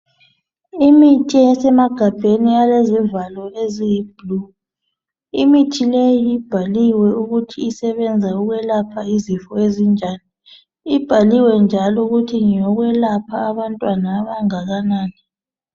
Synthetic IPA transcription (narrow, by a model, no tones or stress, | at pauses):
imitʼɛsɛmaɡ̥ʱab̥ʱenialezivalɔezib̥lu | imitʰilejib̥ʱaliwɛuɣutʰiːsɛβɛnd͡zʱauɣwɛlapʰaizifɔezind͡ʒʱaːni | ib̥ʱaliwɛnd͡ʒʱalɔuɣutʰiŋjɔɣwɛlapʰaːβantʼwanaːβaŋaɣanaːni